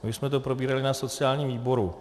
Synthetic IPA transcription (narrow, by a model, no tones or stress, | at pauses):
mɪsmɛt̪o̞pɾobiːɾalɪnaso̞t͡sɪaːlɲiːmviːbo̞ɾu